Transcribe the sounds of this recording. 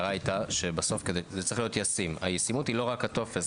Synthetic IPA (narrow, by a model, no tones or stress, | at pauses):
ʁajt̪aʃe̞baso̞fkedezet͡sʁeχlio̞t̪jasimajesimutilo̞ʁakato̞fes